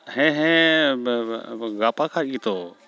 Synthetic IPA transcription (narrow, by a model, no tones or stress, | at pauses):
hẽːɦẽː | ɣaːpãkʰãːɠiːt̪ʰoː